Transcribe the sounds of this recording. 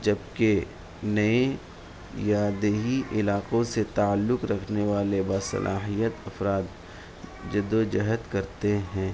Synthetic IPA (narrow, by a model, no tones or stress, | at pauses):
d͡ʒɐbke | nɐe | jaːd̪eɦiʔɪlaːqõset̪aəlːʊqɾɐkʰneʋaːlebaːsɐ̰lʔa̰ːɦijət̪ɐfɾaːt̪ | d͡ʒɪd̪od͡ʒɐɦət̪kɐɾt̪eɦɛ̃ː